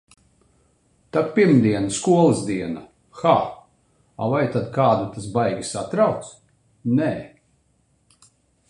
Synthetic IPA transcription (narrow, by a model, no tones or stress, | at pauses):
t̪apiɾmd̪iɛnskuɔlˠɨzd̪iɛna | xaː | a̰vajt̪ad̪kaːd̪at̪as̬bajɡʲisat̪ɾawk̪s | nɛː